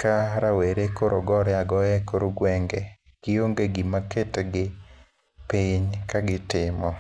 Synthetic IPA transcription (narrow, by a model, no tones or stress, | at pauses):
kaɾaweɾekoɾʔoɡɔɾɪaɡɔjɛkoɾoɡwɛŋɡe | ɡ̥ɪoŋɡeɡimaketɡɪ | piɲkaɡɪtɪmɔ